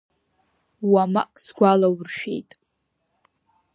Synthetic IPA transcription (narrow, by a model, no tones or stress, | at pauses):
wama̰kʼsɡʷalawrʃᶣḛjtʼ